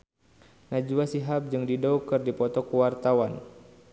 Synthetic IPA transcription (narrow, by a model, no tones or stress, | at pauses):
nad͡ʒuasiɦap̚d͡ʒɨŋdidɔukɨrdipɔt̪ɔkuwart̪awan